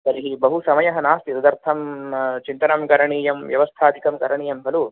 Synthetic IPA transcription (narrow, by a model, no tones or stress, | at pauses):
sɐɾiɦibɐɦusɐmɐjɐɦɐnaːst̪iɾud̪ɐɾt̪ʰɐmt͡ʃint̪ɐnɐmɡɐɾɐɳiːjɐmʋjɐʋɐst̪ʰaːd̪ʱikɐmɡɐɾɐɳiːjɐmbʱɐlu